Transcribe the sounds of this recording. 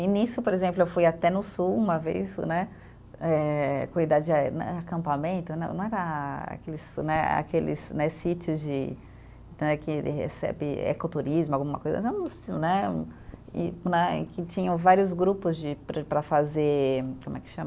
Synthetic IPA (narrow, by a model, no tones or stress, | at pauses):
ĩnisʊpoɾezẽmplʊewfujat̪ɛnʊsuwũmɐvḛjsnɛ | ɛkõid̪ad͡ʒɪnɐ̃akɐ̃mpamẽnt̪ʊnɐ̃w̃nɐ̃w̃ɛɾɐa̰kelɪsnɛa̰kelɪ̰snɛsit͡ʃʊzd͡ʒɪ | nɛkɪlhḛsɛ̰bɪ̰ḛkot̪uɾizmʊawɡũmɐkojzɐmɐ̰zɛũʊsilnɛ | ɪ̰nɛ̰kɪt͡ʃĩɲɐ̃w̃vaɾjʊzɡɾupʊzd͡ʒɪpɾpɾɐfazeɾkõmʊɛkɪ̥ʃɐ̃mɐ